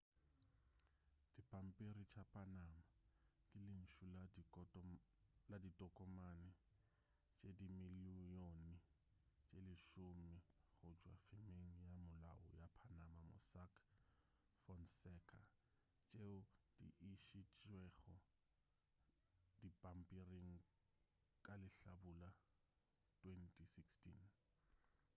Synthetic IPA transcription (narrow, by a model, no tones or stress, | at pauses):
d̥ipʼam̩pʼeɾit͡ʃʰapʰʼanama | kʼɪlɪn̩ʃulai | laditʼɔkʼɔmanɪ | t͡ʃʼedimɪlijonɪ | t͡ʃʼelɪʃʊmɪɣʊd͡ʒwa̰fɪmeŋ̩jamʊla̰ʊ̰japʰanamamʊ̰sakʰ | fɔnsɛkʰa̰ | t͡ʃʼeʊd̥ḭʔiʃit͡ʃʼwɛɣʊ | dipʼam̩pʼiriŋ̩ | kʼalɪɬa̰bula | tʼwentʰʼisikstʰḭn